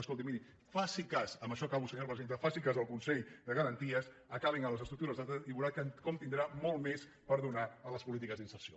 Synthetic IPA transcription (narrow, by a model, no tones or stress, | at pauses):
əskɔlˠt̪̬imini | fasikasəmbəʃɔkaβusəɲalˠpɾəzent̪əfasikazðəlˠkunsɛʎðəɣəɾənt̪iəs | əkaβiŋələzəst̪ɾuk̚t̪uɾəzðat̪əiβuɾat̪̚kəkɔmt̪ind̪ɾamɔlˠmes | pəɾðunaələspulit̪ikəzðinsəɾsio